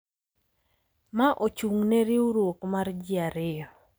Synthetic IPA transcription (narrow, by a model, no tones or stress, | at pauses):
maʔot͡ʃuŋneɾɪuɾwokmard͡ʒɪaɾɪjɔ